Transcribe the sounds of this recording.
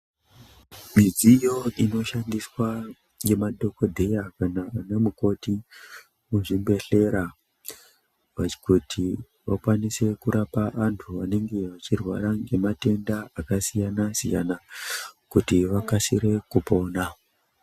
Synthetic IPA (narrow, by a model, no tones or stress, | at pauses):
mid͡zijo̞ino̞ʃandiswa | je̞madʱo̞ko̞dʱe̞jakanaanamuko̞ti | muʐimbe̞ɬe̞ɾa | ʋḁkutʰi | ʋakwanise̞kuɾapaʔantʰuane̞ŋɡe̞ʋat͡ʃirwa̰ɾaŋɡe̞mate̞ndaakasijanasija̰nakutiʋakasiɾe̞kupo̞ːna